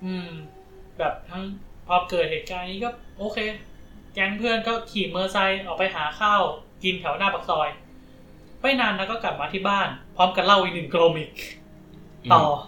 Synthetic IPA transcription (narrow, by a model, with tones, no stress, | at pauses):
ʔɯː˧m | bɛː˨˩p̚t̪ʰa˦˥ŋpʰɔː˧mkɤː˨˩t̪̚heː˨˩t̪̚kaː˧nːiː˦˥kɔː˥˩ʔoː˧kʰeː˧kɛː˧˥npʰɯ˥˩ənkɔː˥˩kʰiː˨˩mɤː˧sa˧jʔɔː˨˩k̚pa˧jɦaː˩˦xʰaː˥˩wki˧nt̪ʰɛ˨˩˦wnaː˥˩pa˨˩k̚sɔː˧j | ma˧˥˩jnaː˧nlɛ˦˥kɔ˥˩kla˨˩p̚maː˧t̪ʰiː˥˩baː˥˩npʰɾɔː˦˥mka˨˧˩la˥˩wʔiː˨˩nɯ˨˩ŋkloː˧miː˨˩k̚ | t̪ɔː˨˩